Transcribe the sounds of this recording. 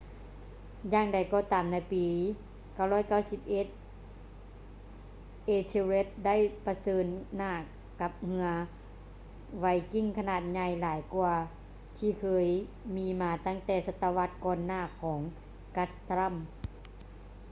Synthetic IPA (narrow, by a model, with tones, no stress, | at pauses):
jaː˧ŋda˨˩jkɔː˧˩t̪aː˨mna˧˩jpiː˨ | ka˧˩˨wlɔː˧˥˨jka˥˩wsi˧˦p̚ʔe˧˦t̪̚ | ʔeː˧t̪ʰi˧le˧˦˥t̪̚da˥˨jpa˧sɤː˧nːaː˧˩ | ka˧˦p̚hɯ˧ɐ | ʋa˧jki˧˥˩ŋkʰa˧naː˧˩t̪̚ɲa˧jlaː˨˦jku˧ɐ | t̪ʰiː˧˩kʰɤː˧j | miː˧˥maː˧t̪a˥˩ŋt̪ɛː˧˩sa˧t̪ːa˧ʋa˧˦˥t̪̚kɔː˧nːaː˧˩˨kʰɔː˩˦ŋ | ka˧˥st̪ɾa˧˥˨m